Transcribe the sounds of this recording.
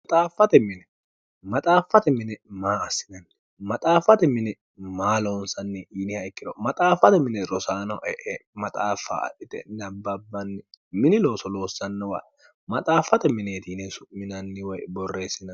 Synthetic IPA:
mɐt̪ʼaːfːɐt̪ɛmɪnɛ | mɐt̪ʼaːfːɐt̪ɛmɪnɛmaːɐsːɪnɐnːɛ | mɐt̪ʼaːfɐt̪ɛmɪnɛ | maːloːnsɐnːɛʔiːnɪhɐɪkːɪd̪ɔmɐt̪ʼaːfːɐt̪ɛmɪnɛɾɔsaːnɔʔɛʔɛmɐt̪ʼaːfːa̰ɐ̰ʔɪt̪ɛ̰nɐbːɐbːɐnːɪmɪnɪlo̞ːsɔlo̞ːsːɐnːɛwa̰ | mɐt̪ʼaːfɐt̪ɛmɪneːt̪inɛsʊʔmɪnɐnːɪwɔjbɔrːe̞ːsɪnɐ

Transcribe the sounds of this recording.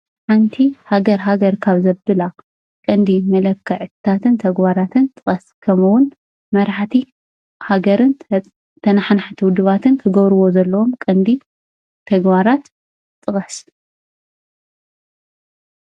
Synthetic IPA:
ħant̪ʰihaɡɐɾɦaɡɐɾkʰaβzɐbɨla | kʼɨnd̪imɐlɐkʰːɐʕɨt̪t̪ʰat̪ɨnt̪ʰɐɡbaɾat̪ʰɨnt̪ʼɨχʼɐskʰɐmuwʊn | mɐɾaħt̪ʰi | haɡɐɾɨn | t̪ʰɐnaħnħt̪ʰɨwʊd̪ɨβat̪ɨnt̪ʰɐɡɐβɾɨβo̞zɐlːɐwomkʼɨnd̪i | t̪ʰɐɡbaɾat̪ | t̪ʼːɨχʼɐs

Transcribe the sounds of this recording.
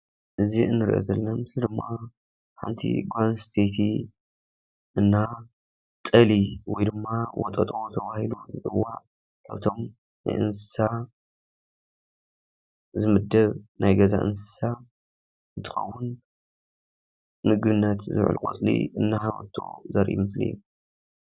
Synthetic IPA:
ʔɨziɨnːɨɾ̰ʔḛzɐlːnamɨslid̪ɨmːa | ħa̰nt̪ʰḭɡanst̪ʰet̪ʰi | ʔɨnːa | t̪ʼɐliwɔjd̪ɨmːawɔ̰t̪ʼɐt̪ʼot̪ʰɐβahiluzɨtʼɨwːaʔ | kʰaβt̪ʰo̞m | na̰jʔɨ̰nsɨ̥sa | zɨmɨd̪ːɐβnajɡɐza̰ʔɨ̰nsɨ̥sa | ɨnt̪ʰɨ̥xɐ̰wːʊn | mɨɡbɨnːɐt̪zɨ̰ʕ̰lkʼo̰t͡sʼlḭɨnːaħawɐ̰t̪ʰːo̰zɐɾʔḭmɨslḭjːu

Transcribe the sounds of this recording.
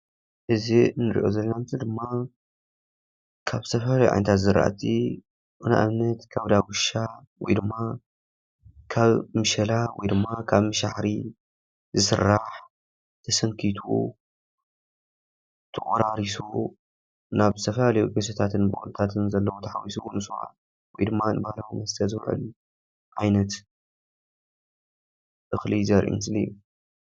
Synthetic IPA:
ʔɨzinːɨɾḭʔozɐlːnamzid̪ɨmːa | kʰaβst̪ʰɐfɐlalɐjṵʕa̰jnt̪ʰat̪zɨɾa̰ʔa̰t̪ʰi | ʔɨna̰ʔaβnɐt̪kʰaβd̪awʊʃa | wɔ̰jd̪ɨmːa | kʰaβmɨʃɐlawɔjd̪ɨmːakʰaβmɨʃa̰ħɾi | zɨsɨ̰ɾːaħ | t̪ʰɐsɐŋkʰit̪ʰṵ | t̪ʰɨkʼuɾaɾisu | naβzɨt̪ʰɐfɐlalɐjuɡɐsɐt̪ʰat̪ʰɨnbɨ̰ʔʼṵlt̪ʰat̪ʰɨnzɐlːɐwot̪ʰɐħa̰wisunɨsuʔa̰ | wɔjd̪ɨmːanɨbahlawmɐst̪ʰɐzɨβʕɨ̰l | ʕajnɐt̪ | ʔɨxlizɐɾʔṵmɨsliju

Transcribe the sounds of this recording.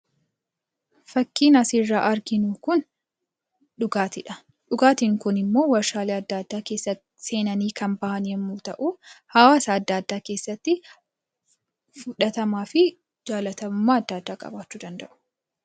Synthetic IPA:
fɐkːiːnɐsirːaːʔɐɾɡɪnuːkʊn | ᶑʊɡaːt̪ɪᶑɐ | ᶑʊɡaːt̪iːŋkʊnɪmːo̞ːwɐɾʃaːleːɐd̪ːaːd̪ːaːkeːsːɐt̪ː | se̞ːnɐniːkɐnbɐʔɐnjɛmːuːt̪ɐʔuːhɐwaːsɐːd̪ːaːd̪ːaːke̞ːsːɐt̪ːɪ | fʊᶑɐt̪ɐmaːfɪ | d͡ʒaːlɐt̪ɐmʊmːaːɐd̪ːɐːd̪ːaːkʼɐ̰baːt͡ʃːuːd̪ɐnd̪ɐʔʊ̥

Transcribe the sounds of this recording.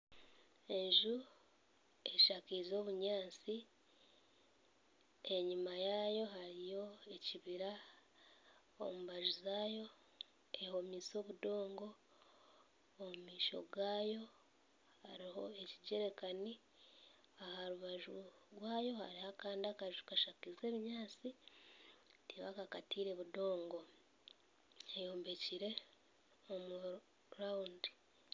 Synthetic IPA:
e̞ɲʒu | e̞ʃakiːzo̞ːβuɲaːt͡si | e̞ɲimajaːjo̞ɦaɾijo̞e̞ciβiɾa | o̰muβaʒuzaːjo̞ | eho̞miːso̞ːβudo̞ːŋɡo̞ | mumiːʃo̞̰ɡaːjo̞ | haɾiho̞e̞ciɟe̞ɾekani | ahaɾuβaʒuɡwaːjo̞ha̰ɾihakaːndiakaʒukaʃakize̞ːβiɲaːt͡si | tiβakakatʰiːɾe̞βudo̞ːŋɡo̞ | ejo̞ːmbe̞ciɾe̞ | omu | ɾaundi

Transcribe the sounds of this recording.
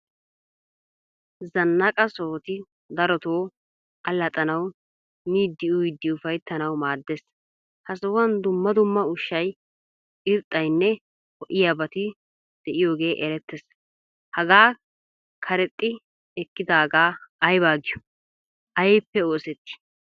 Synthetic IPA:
zɐnːɐkʼɐsoːt̪ɪ | d̪ɐɾɔt̪oː | ɐlːɐt̪ʼɐnɐw | miːd̪ːɪʊjd̪ːɪʊfɐjt̪ːɐnɐwmaːd̪ːes | hɐsɐwɐnd̪ʊmːɐd̪ʊmːɐʊʃːɐj | ɪɾt̪ʼːɐjnːɛ | hɔʔɪjaːbɐt̪ɪ | d̪̥ɛʔɪjo̞ːɡe̞ːʔɛɾɛt̪ːɛs | hɐɡaː | kʰɐɾɛt̪ʼːɪ | ɛkːɪd̪aːɡaːɐjbaːɡɪjʊ̥ | ʔɐjpːɛoːsɛt̪ːɪ̥

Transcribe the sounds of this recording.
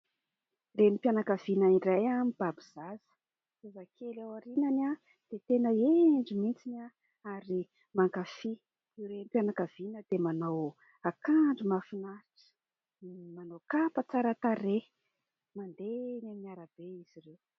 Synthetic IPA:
remipjanakavinairajamib̥abiz̥azə̥ | zezakʰelawaɾinana | d̪̥et̪enəeɳɖ͡ʐimint͡sina | aɾi | maŋkafi | iwremipjanakav̥inəd̪emanow | akaɳɖ͡ʐimafinaɾiʈ͡ʂə̥ | manowkapət͡saɾat̪aɾe | mand̪enamiaɾab̥eiz̥irew

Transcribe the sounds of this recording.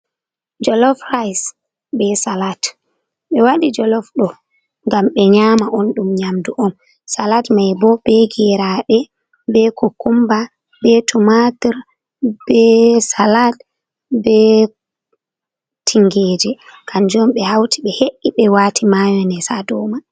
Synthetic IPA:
d͡ʒɔlɔfrajs | bɛsalat | ɓɛwaɗid͡ʒɔlɔfɗɔ | ŋɡamɓɛɲaːmaʔɔnɗumɲamduʔɔm | salatmajbɔb̥ɛɡɛɾaɗɛ | bɛkʰokumba | bɛtʰumadiɾ | b̥ɛsalat | bɛ | tʰiŋɡeːd͡ʒɛkʰand͡ʒɔmɓɛhawtiɓɛheʔːiɓɛwaːtʰimajɔnɛsadɔma

